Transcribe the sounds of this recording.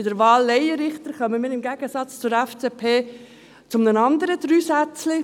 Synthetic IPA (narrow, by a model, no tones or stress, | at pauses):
ɪdəɾʋɑːlːɛɪjəɾɪχt̪əɾχœməmɪːɾɪmɡæɡ̥əsɑt͡st͡sʊɾæft͡seːpʰeː | t͡sʊmnənɑnd̪əɾəd̪̥ɾyːsæt͡slɪ